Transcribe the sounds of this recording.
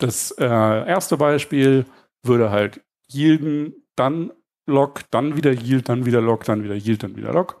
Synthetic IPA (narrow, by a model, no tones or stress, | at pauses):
d̥asʔɛːʔeːɐstəbaɪʃpiːl | v̥ʏɐɾəɦalt | hiːldn̩ | d̥an | lɔkd̥anviːdɐjiːlt̚d̥anviːdɐlɔkd̥anviːdɐjiːlt̚d̥anvḭːdɐ̰lɔk